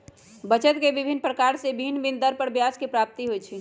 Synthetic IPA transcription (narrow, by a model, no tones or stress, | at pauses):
bət͡ʃət̪keʋɪbʱinpɾəkaːɾsebʱinbind̪əɾpəɾbjaːskepɾaːp̚t̪iɦoit͡ʃʰi